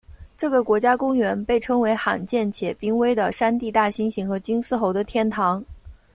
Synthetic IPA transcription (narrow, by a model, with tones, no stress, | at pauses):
ʈ͡ʂɤ˥˩ɡə˩kwɔ˧˥t͡ɕja˥kʊ˥ŋɥɛ˧˥npe˥˩ɪʈ͡ʂʰɤ˥ŋwe˧˥ɪxa̰˨˩nt͡ɕjɛ˥˩nt͡ɕʰjɛ˨˩pi˥ŋwe˥ɪd̪ə˨ʂa˥nt̪i˥˧t̪a˥˩ɕi˥nɕi˧˥ŋxɤ˧˥t͡ɕi˥ŋsɹ̩˥˩xo˧˥ʊd̪ə˧t̪ʰjɛ˥˩nt̪ʰɑ˧˥ŋ